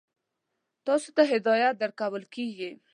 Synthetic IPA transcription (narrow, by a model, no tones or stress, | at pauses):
t̪ɑsot̪aɦɪd̪ɑjat̪̚d̪əɾkawəlkeɡi